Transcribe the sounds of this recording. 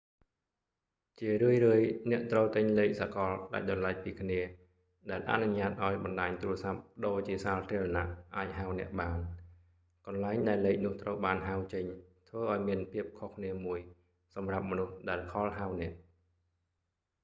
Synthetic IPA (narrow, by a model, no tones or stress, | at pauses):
t͡ɕiərɨəjrɨːəjnɛ̆əʔt̪rəwt̪ɨɲleːk̚sakɑlɗa̰c̚ɗɑnlac̚piːkʰniə | ɗaɛlʔa̰ʔnuɲaːt̪̚ʔaɔjɓɑnɗaːɲt̪uːrəsap̚ɗoːt͡ɕiəsaːlt̪ʰiəlɑna̰ʔʔaːc̚ɦawnɛ̆əʔɓaːn | kɑnlaɛŋɗaɛlːeːk̚nʊ̆əht̪rəwɓaːnɦawt͡ɕəɲt̪ʰʋəːʔaɔjmiənpʰiəp̚kʰohkʰniəmuəj | sɑmrap̚mɔnuhɗaɛlkʰɑlɦawnɛ̆əʔ